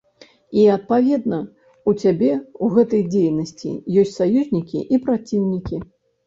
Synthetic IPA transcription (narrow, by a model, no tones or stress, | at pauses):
iɐt̪̚pavʲɛd̪nɐ | ut͡sʲabʲɛuɣɛt̪ɐjd͡zʲejnɐsʲt͡sʲḭjɔsʲtʲsajuzʲnʲikʲḭʔipɾat͡sʲiwnʲikʲi